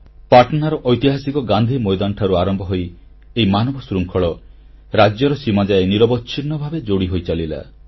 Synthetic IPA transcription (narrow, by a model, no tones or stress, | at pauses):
paɾʈɔnaɾɔʔɔjt̪iɦasikɔɡand̪ʱimɔjd̪anʈʰaɾuaɾɔmbɔɦoj | eimanɔbɔsɾuŋkʰɔɭɔ | ɾad͡ʒjɔɾɔsimad͡ʒaeniɾɔbɔtːt͡ʃʰinːɔbʱabed͡ʒoɽiɦojt͡ʃalila̰